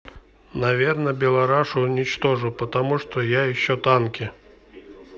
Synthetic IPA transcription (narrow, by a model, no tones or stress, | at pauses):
nɐvʲernəbʲɪlˠɐɾaʂʊːnʲɪt͡ɕt̪oʐʊpət̪ɐmuʂt̪ojajɪɕːot̪ankʲɪ